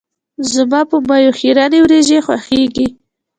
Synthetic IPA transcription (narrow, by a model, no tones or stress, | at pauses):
zamɑpəmɑjoxiɾɑnewɾeʒexwa̰xeɡi